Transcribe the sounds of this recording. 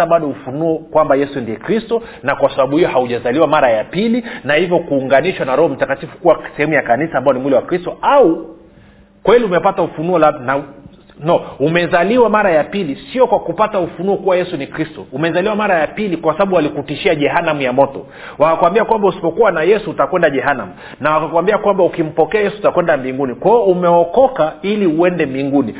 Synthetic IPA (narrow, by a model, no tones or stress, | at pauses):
aɓaɗɔufunuɔkwambajɛsundiɛkɾistɔ | nakwasaɓaɓuhijɔhauʄazaliwamaɾajapilinahivjɔkuːŋɡaniʃwanaɾɔhɔm̩takatifu̥kuwasɛhɛmujakanisaːmbaɔnimulɛwakɾistɔau | kwɛliumɛpataufunuɔlana | nɔumɛzaliwamaɾajapilisiɔkwakupataufunuɔkuwajɛsunikɾistɔumɛzaliwamaɾajapilikwasaɓaɓuwalikutiʃiaʄɛɦanamujamɔtɔ | wakakuwambiakwambausi̥pɔkuwanajɛsuːtakwɛndaʄɛɦana̰mu | nawakakwambiakwambaukim̩pɔkɛajɛsuutakwɛndambiŋɡunikwaɔumɛɔkɔkailiuɛndɛmbiŋɡuni